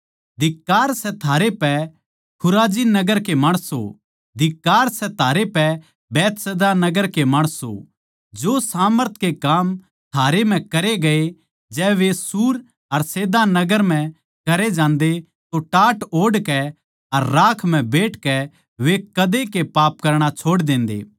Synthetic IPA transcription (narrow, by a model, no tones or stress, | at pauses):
d̪ɪkːaːɾsɛt̪ʰaːɾepɛ | kʰʊɾaːd͡ʒinɐɡəɾkemɐɽ̃so̰ | d̪ɪkːaːɾsɛt̪ʰaːɾepɛ | bɛːt̪seːd̪anɐɡəɾkemɐɽ̃so̰ | d͡ʒoːsaːməɾt̪̚ʰkekaːm | t̪ʰaːɾem̤ɛ̃kɐɾeɡɐe | d͡ʒɛːʋesuːɾ | ɐɾseːd̪anɐɡəɾm̤ɛ̃ | kɐɾed͡ʒãːnd̪e | t̪oʈaːʈoːɽkɛ | ɐɾːaːkʰm̤ɛ̃beːʈʰkɛ | ʋekɐd̪ekepaːpkɐɾɽ̃at͡ʃʰoːɽd̪ẽːnd̪ḛː